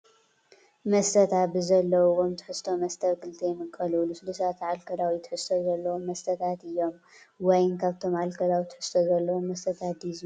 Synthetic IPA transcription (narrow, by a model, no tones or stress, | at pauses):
mɐst̪ʰɐt̪ʰabɨzɐlːɐwuwomt̪ʰɨ̥ħɨst̪ʰo̞mɐst̪ʰɐβkɨlt̪ʰijɛmɨkʼːɐlɨlɨslusat̪ʰʕalkʰɐd̪awit̪ʰɨ̥ħɨst̪ʰozɐlːɐwomːɐst̪ʰɐt̪ʰat̪ɨjːo̞m | wɔjnkʰaβt̪ʰo̞mʕalkʰɐd̪awit̪ʰɨ̥ħɨ̥st̪ʰozɐlːɐwomːɐst̪ʰɐt̪ʰat̪̚d̪iz